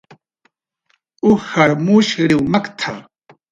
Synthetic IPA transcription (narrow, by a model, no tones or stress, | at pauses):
uxaɾmuʃɾɪwmakt̪ʰa̰